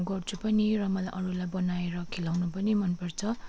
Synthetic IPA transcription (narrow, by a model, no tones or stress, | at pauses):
ɡʌrt͡sʰupʌniɾʌmʌlʔʌɾulajbʌnaeɾʌkʰelawnupʌnimʌnpʌrt͡sʰʌ